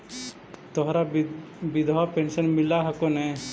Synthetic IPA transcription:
t̪ɔɦɾa | bid̪ʱwapɛnsənmilaɦɛkonɛ

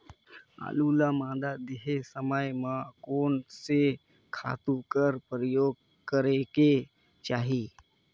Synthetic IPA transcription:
a̰ːlulamãːd̪ad̪eɦesəməjmãkoːnse | kʰa̰ːt̪ukəɾpɾəjoːɡ̚ | kəɾeke | t͡ʃaːɦiː

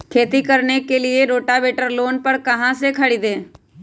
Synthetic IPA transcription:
kʰeːt̪ikəɾnekelɪeɾoːʈabeːʈəɾloːnpəɾkɐɦãsekʰɐɽid̪eː

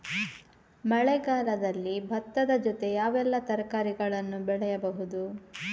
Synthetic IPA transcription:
mɐɭɛɡaːlɐd̪ɐlːibʱɐt̪ːɐd̪ɐd͡ʒɔt̪e̞jaːʋɛlːɐt̪ɐɾɐkaːɾiɡɐɭɐnːubɛɭɛjɐbɐɦud̪u

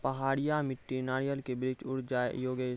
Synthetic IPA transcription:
pɐɦaːɽɪjamɪʈːinaːɽijəlkebɾɪt͡ʃʊɽd͡ʒaːḛjoːɡe

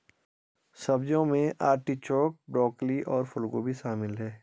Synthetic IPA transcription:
sɐbd͡ʒõmẽʔaːɾʈit͡ʃɔːk̚bɾɔːkliʔɔːɾfʊlɡoːbʱiʃaːmɪlɦɛː

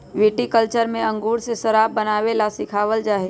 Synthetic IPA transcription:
ʋiːʈikəlt͡ʃəɾmẽɐ̃ŋɡuːɾsesəɾaːbbənaːʋelasɪkʰaːʋəld͡ʒaːɦe

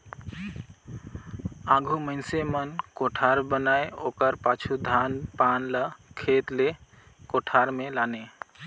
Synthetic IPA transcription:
ãɡʱuməɪnsemənkoʈʰaɾbənajokəɾpat͡ʃʰud̪ʱanpanləkʰet̪le | koʈʰaɾmelane

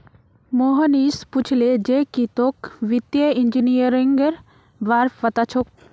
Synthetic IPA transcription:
moːɦəniːsput͡ʃʰled͡ʒekit̪okʋit̪jəind͡ʒinijəɾiŋɡəɾ | ʋaɾfʋɐt̪at͡ʃʰok̚

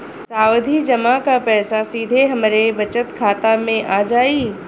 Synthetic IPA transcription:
saːʋd̪ʱid͡ʒɐmãkapɛːsasiːd̪ʱeɦɐmɾebɐt͡ʃət̪kʰaːt̪amẽʔaːd͡ʒaːiː

